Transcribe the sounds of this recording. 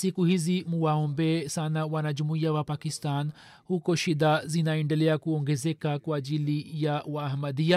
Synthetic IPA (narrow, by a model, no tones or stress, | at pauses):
sikuhizimuwaɔmbɛsanawanaʄumuiawapakistan | hukɔʃiɗazinaɛndɛlɛakuɔŋɡɛzɛkakwaːʄilijawaːhmadia